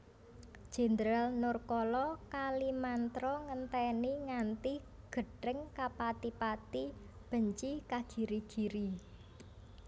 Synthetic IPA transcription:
d̥ʒ̥e̤nd̪ɾalnʊrkɔlɔkalimant̪ɾɔŋənt̪ɛniŋant̪i | ɡ̥ə̤ɖəŋkapat̪ipat̪i | b̥ə̤ɲt͡ʃikḁʒ̥i̤ɾiɡ̥i̤ɾi

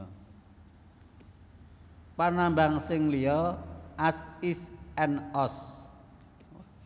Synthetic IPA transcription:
panambaŋsɪŋlijɔʔasisɛnɔs

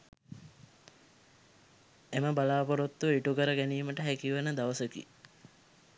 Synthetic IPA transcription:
eməbalaːpoɾot̪ːuiʈukəɾəɡæniːməʈəɦækiʋənəd̪aʋəsəkḭ

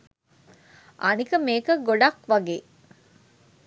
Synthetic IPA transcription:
ʔɐnikəmeːkəɡoɖɐkʋɐɡeː

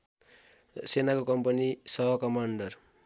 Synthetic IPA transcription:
senakokʌmpʌnisʌɦʌkʌmaɳɖʌr

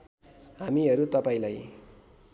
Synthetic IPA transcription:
ɦamiɦʌɾut̪ʌpaĩlaj

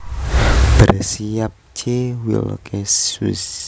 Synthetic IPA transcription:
b̥ərsiap̚t͡ʃewḭl̰kesus

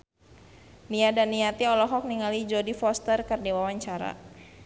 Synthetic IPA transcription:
niadanːiat̪iɔlɔɦɔk̚niŋalid͡ʒɔdifɔst̪ərkərdiwawaɲt͡ʃaɾa̰

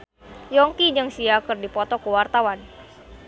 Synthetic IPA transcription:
jɔŋkid͡ʒɨŋsiakɨrdipɔt̪ɔkuwart̪awan

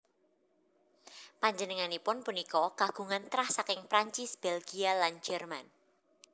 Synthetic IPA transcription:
paɲd͡ʒənəŋanipʊnpunikɔɡ̥a̤ɡ̥ṳŋant̪ɾahsakɪŋpɾaɲt͡ʃɪsb̥ɛlɡialand͡ʒɛrman

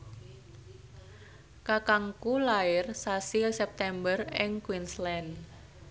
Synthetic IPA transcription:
kakaŋkulaɪrsasilsɛp̚t̪ɛmbərɪŋkwinslɛn

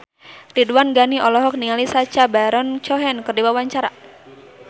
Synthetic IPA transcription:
riduanɡaniʔɔlɔɦɔk̚niŋalisat͡ʃabaɾɔnt͡ʃɔɦɛnkərdiwawaɲt͡ʃaɾa

